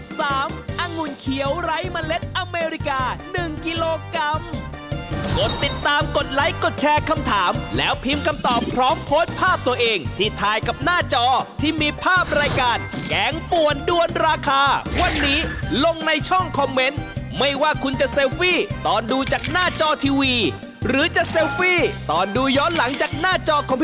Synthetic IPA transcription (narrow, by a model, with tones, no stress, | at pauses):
saː˩˦mʔa˧ŋu˧˩nkʰi˨˩˦əwɾa˦˥jma˧le˦˥t̪̚ʔa˧meː˧ɾi˦˥kaː˧nɯ˨˩ŋki˧loː˧ka˧m | ko˨˩t̪ːi˨˩t̪ːaː˧mko˨˩t̪̚la˦˥jko˨˩t̪̚t͡ɕʰɛː˧kʰa˧mt̪ʰaː˩˦mlɛː˦˥wpʰiː˧mkʰa˧mt̪ɔː˨˩mpʰɾɔː˦˥mpʰoː˦˥t̪̚pʰaː˥˩p̚t̪u˧əʔeː˧ŋt̪ʰiː˥˩t̪ʰaː˧jka˨˩p̚naː˥˩t͡ɕɔː˧t̪ʰiː˥˩miː˧pʰaː˥˩p̚ɾaː˧jkaː˧nkɛː˩˦ŋpu˨˩əndu˧ənɾaː˧kʰaː˧wa˧nːiː˦˥lo˧ŋna˧jt͡ɕʰɔ˥˩ŋkʰɔ˧mːe˦˥nma˥˩jwaː˥˩kʰu˧nt͡ɕa˨˩ʔse˧wfiː˥˩t̪ɔː˨˩nduː˧t͡ɕaː˨˩k̚naː˥˩t͡ɕɔː˧t̪ʰiː˧wiː˧ | ɾɯː˩˦t͡ɕa˨˩ʔse˧wfiː˥˩t̪ɔː˨˩nduː˧jɔː˦˥nla˩˦ŋt͡ɕaː˨˩k̚naː˥˩t͡ɕɔː˧kʰɔː˨˦ŋpʰ